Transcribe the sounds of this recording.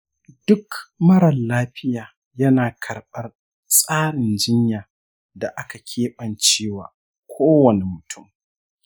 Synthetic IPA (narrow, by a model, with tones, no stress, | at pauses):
dʊ˦kmɐ˦ɽɐ˨nlaː˦ɸɪ˦jaː˨ | jɐ˦naː˨kʰɐ˨rɓɐ˦r | sʼaː˦ɽɪ˨nd͡ʒɪ˦ɲjaː˨ | da˨ʔa˦ka˨kʲʰeː˦ɓɐ˨nt͡ʃeː˦wa̰ː˨ | kʷʰoː˦wɐ˨ne˨mʊ˨tʰʊ˦˨m